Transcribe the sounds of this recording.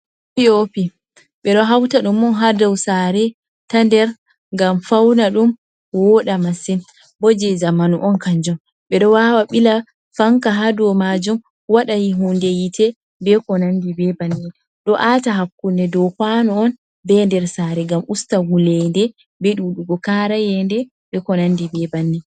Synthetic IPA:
piopi | ɓɛɗɔɦawtaɗumɔnɦadɔwsaɾɛ | tandɛɾ | ŋɡamfawnaɗum | wɔɗamasin | bɔd͡ʒɛzamanuʔɔnkaɲd͡ʒɔm | ɓɛɗɔwawaɓila | faŋkaɦadɔmad͡ʒum | waɗajiɦundejitʰɛ | bɛkɔnandibɛbanːi | ɗɔʔataɦakːundɛdɔwkwanɔɔn | bɛndɛɾsaːɾɛɡamustawulɛndɛ | bɛɗuɗuɡɔkaɾajɛndɛ | bɛkɔnandibɛbanːi

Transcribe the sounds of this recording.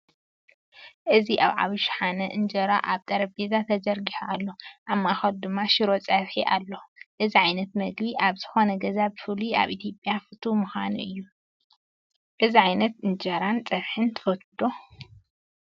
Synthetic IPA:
ʔɨziʔaβʕa̰βiʃħanɐʔɨnd͡ʒɐɾaʔaβt̪ʼɐɾɐbezat̪ʰɐd͡ʒɐɾɡiħuʔalːoʔamːaxɐd̪d̪ɨmːaʃɪɾo̞t͡sʼɐβħiʔalːoʔɨziʕajnɐt̪mɐɡbiʔaβz̥ɨxo̞nɐɡɐzabɨfɨlia̰βʔit̪ʰjo̞pʼjafɨt̪ʰumuxa̰nuɨjːu | ʔɨziʕajnɐt̪ɨnd͡ʒɐɾant͡sʼɐβħɨnt̪ʰɨ̥fot̪ʰʼɨd̪o

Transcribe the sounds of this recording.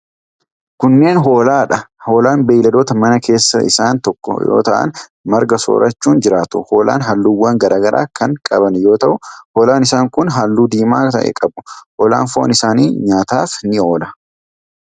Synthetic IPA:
kʊnːe̞ːnɦo̞ːlaːᶑɐho̞ːlaːnbɐːlɐd̪oːt̪ɐmɐnɐkʰe̞ːsːɐʔɪ̰saːnt̪ɔkːɔ̰jo̰ːt̪ɐʔɐ̰nmɐɾɡɐso̰ːɾʔɐt͡ʃːuːnd͡ʒɪɾaːt̪ʊ̰ho̞ːlʔa̰ːnɦɐlːuːwːɐŋɡɐɾʔaːɡɐɾʔa̰ːkʰɐŋkʼɐbɐnjo̞ːt̪ɐʔʊhoːlaːnɪsaːŋkʊnɦalːuːd̪iːmaːt̪ɐʔɛ̰kʼɐbʊ̥hoːla̰ːnfoːnɪsaːniːɲaːt̪aːfnɪo̞ːlɐ

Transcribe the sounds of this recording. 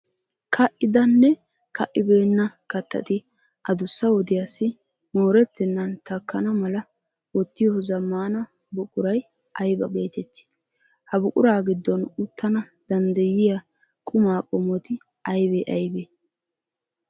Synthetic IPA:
kʰɐʔːɪd̪ɐnːɛ | kɐʔːɪbe̞ːnːɐkɐt̪ːɐ̰t̪ɪ | ʔɐd̪ʊsːɐwɔd̪ɪjasːɪ | moːɾɛt̪ːɛnːɐnt̪ɐkːɐnɐmɐlɐ | wɔt̪ːɪjɔzɐmːaːnɐ | bʊkʼʊɾɐj | ʔɐjbɐɡe̞ːt̪ɛt̪ːɪ̥ | hɐbʊkʼʊɾaːɡɪd̪ːɔnʊt̪ːɐnɐ | d̪̥ɐnd̪ɐjɪja | kʼʊmaːkʼɔmɔt̪ɪ | ɐjbɛʔɐjbeː

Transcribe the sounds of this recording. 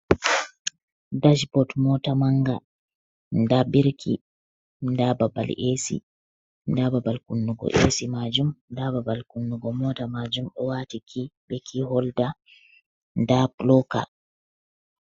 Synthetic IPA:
dad͡ʒpɔtmɔtamaŋɡa | ndabiɾkʰḭ | ndababa̰lesḭ | ndababalkunːuɡɔ̰ʔḛsimad͡ʒumdababalkunːuɡɔmɔtamad͡ʒumɗɔwaːtikʰiɓɛkʰihɔlda | ndaplɔka̰

